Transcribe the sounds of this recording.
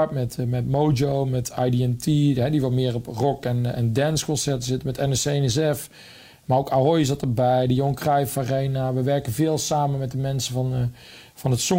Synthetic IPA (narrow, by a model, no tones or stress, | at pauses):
ɹtmɛtmɛtmowd͡ʒowmɛtʰajdiɛntiɦɛdiʋɔlmɪːrɔprɔkɛnɛ̰ndɛnskɔnsɛɹtəzɪtəmɛtɛnɛsenɛsɛf | maːrowkaɦojsɑtəbɛjdəjɔŋkrajfarejnaʋəʋɛɹkənvɪːlˠsaːmənmɛt̚dəmɛnsəvɑn | vɑnɦətsɔ